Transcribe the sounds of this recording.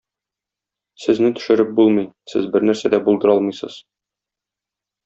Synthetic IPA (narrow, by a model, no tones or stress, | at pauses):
sɘ̆znɘt̪ɵ̥̆ʃɘ̆ɾɘp̚bulˠmɤjsɘ̰zbɘɾnæɾsæd̪æbulˠd̪ɤ̆ɾɒlˠmɤjsɤ̰z̥